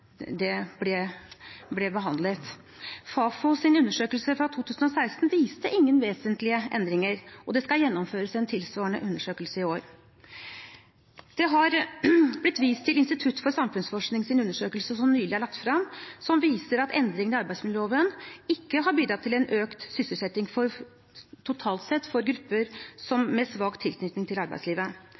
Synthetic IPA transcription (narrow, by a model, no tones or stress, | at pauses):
d̪ɛblɛ | blɛbəɦɑnd̪lət̪ | fɑːfɔsɪnʉnːəʂøːkəlsəfɾɑt̪ʰːuːt̪ʰʉːsən̩ɔsæɪst̪n̩ʋiːst̪əʔɪŋːənʋeːsənt̪lɪəʔɛ̰nd̪ɾɪŋəɾʔɔd̪ɛskɑljɛnːɔmføːɾəsɛnt̪ʰɪlsʋɑːəɳə̰ʔʉnːəʂøːkəlsəɪoːɾ | d̪̥ɛɦɑɾblɪt̪ːʋiːst̪ʰːɪlɪnst̪ɪt̪ʰʉt̪ːfɔɾsɑmfʉnsfɔʂknɪŋsɪnʉnːəʂøːkəlsəsɔmnyːlɪæɭɑkt̪fɾɑmsɔmʋiːsəɾɑt̪ʰɛ̰nd̪ɾɪŋənɪɑɾbæɪsmɪnoːʋənɪkːəɦɑɾbyːd̪ɾɑt̪ʰːɪlɛnʔøːkt̪sʏsəlsɛt̪ːɪŋfɔɾ | t̪ʰʊt̪ʰɑːlt̪sɛt̪ːfɔɾɡɾʉpːəɾsɔmːɛsʋɑːkt̪ʰɪlknʏt̪nɪŋt̪ʰɪlɑɾbæɪsliːʋə